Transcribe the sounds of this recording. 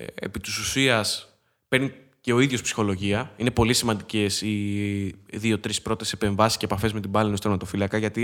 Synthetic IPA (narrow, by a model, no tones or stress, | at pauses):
ḛpit̪i̥susiɐs | pe̞ɾni | ce̞o̞iðʝo̞spsi̥xo̞lo̞ʝiɐine̞po̞lisimɐnd̪ice̞si | ðio̞t̪ɾispɾo̞t̪e̞se̞pe̞ɱvɐsiscepɐfe̞zme̞t̪ibɐlenost̪emɐt̪o̞filɐkɐʝɐt̪i